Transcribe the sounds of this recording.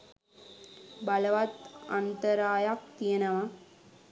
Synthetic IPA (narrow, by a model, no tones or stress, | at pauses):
bɐlɐʋat̪ɐ̰nt̪ɐɾaːjak̚t̪ijənɐʋɐ